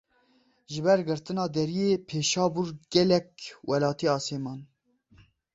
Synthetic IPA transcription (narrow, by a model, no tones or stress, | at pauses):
ʒɪbɛɾɡɨɾt̪ɨnɑːd̪ɛɾijeːpʰeːʃɑːbuɾɡɛlɛk̚wʔɛlɑːt̪iɑːsemɑːn